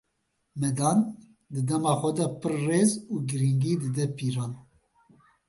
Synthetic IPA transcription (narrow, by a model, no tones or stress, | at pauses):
mɛd̪ɑːn | d̪ɨd̪ɛmɑːxʷɛd̪ɛpɨrːeːzuːɡɨɾiŋɡiːd̪ɨd̪ɛpiːɾɑːn